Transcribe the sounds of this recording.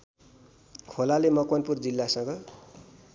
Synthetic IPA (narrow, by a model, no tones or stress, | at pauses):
kʰolalemʌkwanpurd͡zilːasʌ̃ŋɡʌ